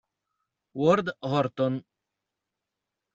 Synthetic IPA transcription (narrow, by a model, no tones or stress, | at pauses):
wɔɾd̪ɦɔɾt̪ɔn